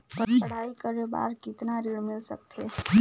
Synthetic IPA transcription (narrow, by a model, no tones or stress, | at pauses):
pəɾɐɽ̤aːikəɾeba̰ːɾkɪt̪naɾiɽmɪlsək̚t̪ʰeː